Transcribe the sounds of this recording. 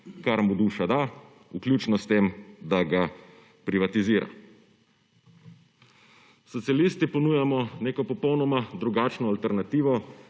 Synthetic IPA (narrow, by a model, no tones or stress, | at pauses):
kaɾmud̪uːʃad̪a | uklʲjuːt͡ʃnɔst̪emd̪aɡa | pɾiʋat̪iziːɾʔa̰ | sɔt̪sialiːst̪ipɔnuːjamɔneːkɔpɔpɔwnɔmad̪ɾuɡaːt͡ʃnɔalt̪ɛɾnat̪iːʋɔ